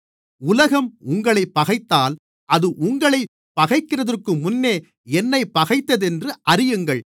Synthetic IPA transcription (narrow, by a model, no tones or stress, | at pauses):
ʊlɐɣɐmʊŋɡɐɭɐɪpːɐɣɐɪt̪ːaːl | ʔɐðɯʔʊŋɡɐɭɐɪ | pːɐɣɐɪkːɪrɐðɐrkɯmʊnːeː | ɛnːɐɪpːɐɣɐɪt̪ːɐðɛndrɯʔɐrɪjɯŋɡɐɭ